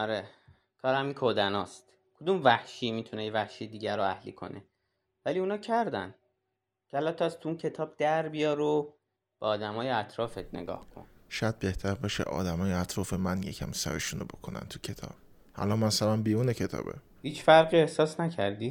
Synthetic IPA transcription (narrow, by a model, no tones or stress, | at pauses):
ɒɾe | kʰɒːɾæmiŋkʰod̪ænɒːst̪ | kʰod̪umvæhʃiːmit̪ʰunejevæhʃijed̪iːɟæɾoæhlḭːkʰo̞̰nʔḛ | væliːunɒːcʰæɾd̪æ̰n | cʰeælæt̪ʰːɒst̪ʰuuncʰe̞t̪ʰɒːb̥̚d̪æɾbijɒːɾo | b̥eɒːd̪æmɒːjeæt̪ʰɾɒːfet̪̚ʰnḛɡɒ̰ːhkʰo̰nʃɒjæd̪̚be̞ht̪ʰæɾbɒʃḛʔɒ̰ːd̪æmɒːjeæt̪ʰɾɒːfemænjḛcʰæ̰msæ̰ɾḛʃunobo̞kʰonæ̰nt̪ʰu̥cʰet̪ʰɒ̰ːb̥ | ʔæ̰lɒnmæsælænbiːɾuːnecʰe̞t̪ʰɒ̰ːbḛ | hiːt͡ʃfæɾɣiːe̞hsɒːsnæcʰæɾd̪i